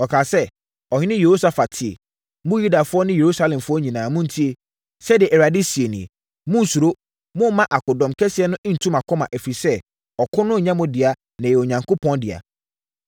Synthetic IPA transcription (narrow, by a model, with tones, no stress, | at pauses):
ɔ˨kʰaː˨sɛ˦ | ɔ˨hɪ̃˦nɪ̃˦je˨ho˦sa˦fa˨tʰɪ˨ḛ˨ | mʊ̃˦ju˦da˨fʊ˦ɔ˦nɪ̃˦je˨ɾu˦sa˦lɛ̃˨mfʊ˦ɔ˦ɲĩ˨nãː˨mʊ̃˦n̩˨tʰi˦e˨ | sɛ˦dɪ˨ɛ˨ʔɛ˨ɾa˨di˦si˨e˨nĩ˨ḛ˨ | mʊ̃˦n̩˨su˨ɾo˦ | mʊ̃˦mã˦ʔa˨kʊ˨dɔ̃˨mkʰɛ˦sɪ˨˦ɛ˦nʊ̃˦ʔɪ̃˦n̩˨tʰũ˦ma˨kʰɔ˦mã˨ʔɛ˨fi˨sɛ˦ | ɔ˨kʰʊ˦nʊ̃˦˨ɲã˦mʊ̃˦dɪ˨a˨ | nã˨ɛ˨o˨ɲã˨ŋkʊ˦pʰɔ̃˦ndɪ̰˨a̰˨